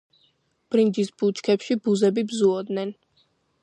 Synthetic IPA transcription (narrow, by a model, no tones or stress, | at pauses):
b̥ɾind͡ʒisbut͡ʃʰkʰɛpʃibuzɛbibzuɔd̪nɛn